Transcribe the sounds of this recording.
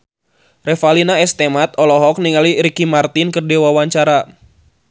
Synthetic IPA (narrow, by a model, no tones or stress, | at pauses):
rɛfalinaɛst̪ɛmat̪̚ɔlɔɦɔk̚niŋaliɾikimart̪inkərdewawaɲt͡ʃaɾa